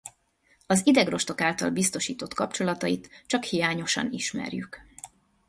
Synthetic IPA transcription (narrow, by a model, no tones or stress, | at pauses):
ɒzid̪ɛɡro̞ʃt̪o̞kaːlt̪ɒ̰lbist̪o̞ʃiːt̪o̞t̪kɒpt͡ʃo̞lɒt̪ɒit̪t͡ʃɒkhijaːɲo̞ʃɒ̰niʃmɛ̰rjyk